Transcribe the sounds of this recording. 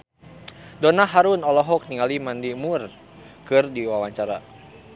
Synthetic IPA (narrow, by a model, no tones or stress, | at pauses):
dɔnaɦaɾunɔlɔɦɔk̚niŋalimandimur | kɨrdiwawaɲt͡ʃaɾa